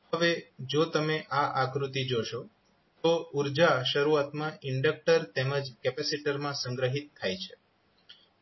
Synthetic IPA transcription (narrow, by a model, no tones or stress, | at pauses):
ɦəʋed͡ʒot̪əmeʔaʔakɾut̪id͡ʒoʃo | t̪ouɾd͡ʒaʃəɾuat̪mãʔɪɳɖək̚ʈəɾt̪eməd͡ʒkɛpɛsiʈəɾmãsə̃ŋɡɾəɦit̪ʰːajt͡ʃʰe